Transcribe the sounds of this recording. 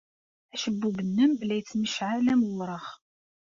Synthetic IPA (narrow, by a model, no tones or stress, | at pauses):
æʃəbːubənːəmlæjət͡sːməʃʕalæməwɾˤəχ